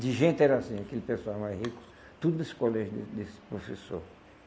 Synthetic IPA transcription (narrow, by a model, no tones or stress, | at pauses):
d̪ɪʒẽnt̪ɪɛɾasĩakelɪpesuawmazhikʊ̥s | t̪ud̪ʊnesɪ̥kolɛʒʊd̪ɪd̪espɾofesoɾ